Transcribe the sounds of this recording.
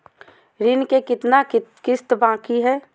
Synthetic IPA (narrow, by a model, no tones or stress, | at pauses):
ɾɪnkekɪt̪nakɪst̪bãːkiɦɛː